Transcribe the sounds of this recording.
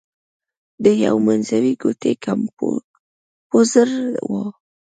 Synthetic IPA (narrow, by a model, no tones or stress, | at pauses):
d̪əja̰wmanzawiɡot̪ekʰam | pozəɾwo